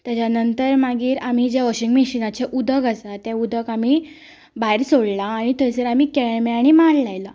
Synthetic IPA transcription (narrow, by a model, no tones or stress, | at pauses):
t̪jat͡ɕanənt̪əɾmaɡiːɾam̤id͡ʑaʋɔɕiŋɡmiɕinat͡ɕeʔud̪ʱəkasat̪ːjeud̪ʱəɡam̤i | baiɾsoɽlaːɽ̃it̪əjsəɾamiːkɛɭmeaɽ̃imaɽlajla